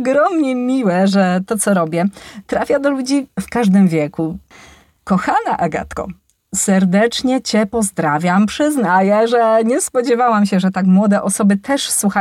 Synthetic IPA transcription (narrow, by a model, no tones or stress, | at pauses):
ɡɾɔmɲɛmʲiwɛʐɛt̪ɔt̪sɔɾɔbʲjɛt̪ɾafʲjad̪ɔlud͡ʑifkaʐd̪ɘmvʲjɛku | kɔxanaʔaɡa̰t̪kɔ̰ | sɛɾd̪ɛt͡ʂɲɛt͡ɕɛpɔzd̪ɾavʲjampʂɘznajɛʐɛɲɛspɔd͡ʑɛvawamɕɛʐɛt̪akmwɔd̪ɛʔɔsɔbɘt̪ʰɛʂswuxa